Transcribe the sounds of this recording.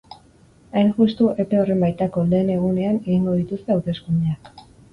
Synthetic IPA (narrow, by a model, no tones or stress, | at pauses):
ajnʝust̪uʔe̞pe̞o̞re̞mbajt̪ako̞le̞ːne̞ɣ̞une̞ane̞ɣiŋɡo̞ð̞it̪ust̪e̞awt̪e̞skuneak